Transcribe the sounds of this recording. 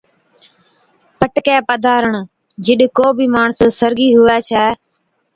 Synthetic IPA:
pəʈkɛːpəd̪ʱaːɾəɳ | d͡ʒɪɗkoːbʱiːmaːɳssəɾɡiːɦʊʋɛːt͡ʃʰɛː

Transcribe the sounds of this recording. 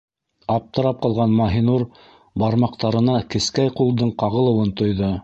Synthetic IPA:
ɑp̚t̪ɤ̆ɾɑp̚qɑlˠʁɑnmɑɦinuɾ | bɑɾmɑqt̪ɑɾɤ̆nɑkɘ̆skæjqulˠd̪ɤɴqɑʁɤ̆lˠɤ̆wɤnt̪ŏjðɤ

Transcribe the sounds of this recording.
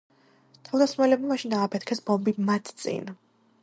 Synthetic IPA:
t̪ʰavd̪asχmalɛbmamaʃind̪aːpʰɛt̪̚ʰkʰɛsbɔmbimat̪ʰt̪sʼḭn

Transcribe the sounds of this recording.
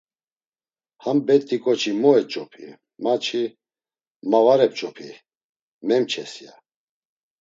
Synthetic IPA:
hambɛt̪ʼːikʼɔt͡ʃʰimɔɛt͡ʃʼɔpʰḭ | mat͡ʃʰi | mavaɾɛp̚t͡ʃʼɔpʰi | mɛmt͡ʃʰɛsja

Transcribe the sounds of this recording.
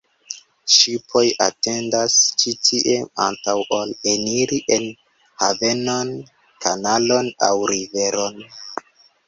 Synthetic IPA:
ʃipʰo̞ja̰te̞ndast͡ʃitʰiʔea̰ntawʔoleniɾiʔe̞n | have̞no̞n | kʰanalo̞na̰wɾive̞ɾo̞n

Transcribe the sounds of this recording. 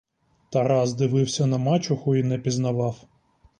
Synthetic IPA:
t̪ɐɾɑzd̪ɪʋɪwsʲɐnɐmɑt͡ʃʊxʊinɛpʲiznɐʋɑw

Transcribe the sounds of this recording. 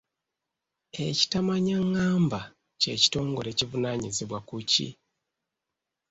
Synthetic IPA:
e̞ci̥tamaɲaŋːaːmba | ce̞ːci̥to̞ːŋɡo̞ɾe̞civunaːɲizeβwakucḭ

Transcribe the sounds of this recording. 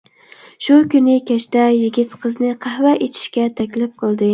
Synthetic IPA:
ʃukʲynɪkʲʰæʃt̪ajɪɡʲit̪qʰɨznɪqʰɑhvaʔet͡ʃ̪ʰɪ̥ʃkʲat̪ʰækʲlɪp̚qʰɨlˠd̪ɪ

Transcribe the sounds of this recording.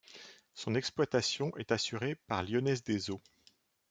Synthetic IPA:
sɔ̃nɛksplwat̪asjɔ̃ʔɛt̪asyʁepaʁljɔnɛzd̪ezo

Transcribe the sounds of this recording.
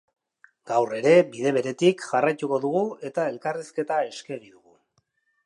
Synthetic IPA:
ɡ̥awre̞ɾe̞biðe̞β̞e̞ɾe̞t̪ikʝarajt̪uko̞ðuɣue̞t̪ae̞lkariske̞t̪ae̞ske̞ɣiðuɣu

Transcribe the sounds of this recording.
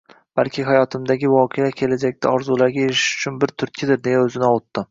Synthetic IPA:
b̥alkʲʰɪɦajɒt̪ʰɪmd̪aɡʲɪvɒqʰejakʲʰe̞lad͡ʒakʲt̪ʰaɒɾzulaɾɡʲaeɾɪ̥ʃʊ̥t͡ʃʰʊnbɪɾt̪ʰʊɾt̪̚kʰʲɪd̪ɪɾd̪e̞jaɵzɪnɪɒwʊt̪ːɪ

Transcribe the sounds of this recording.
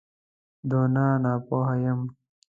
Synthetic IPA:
d̪oːnaːnaːpoːɦɐjɐm

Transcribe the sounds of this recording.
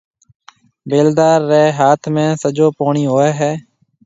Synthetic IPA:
beːld̪aːɾːɛːɦaːt̪ʰmẽːsəd͡ʒoːpoːɳiːɦoːeːɦɛː

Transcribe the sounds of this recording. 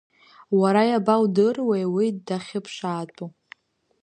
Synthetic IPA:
waɾajabawdɨrwejwidːaχʲɪpʰʂaːtʼu

